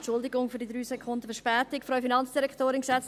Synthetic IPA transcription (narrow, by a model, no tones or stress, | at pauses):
t͡ʃʊldɪɡʊŋfyɐɾdidɾyːsɛkʰʊndəfɛɐʃpɛːtɪkfɾœʏfinɑnt͡sd̥iɾɛktoːɾɪnksɛt͡s